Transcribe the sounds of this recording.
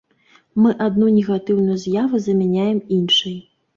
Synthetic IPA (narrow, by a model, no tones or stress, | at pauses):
mɨʔad̪̚nunʲɛɣat̪ɨwnujuzʲjavuzɐmʲanʲajɛminʂɐj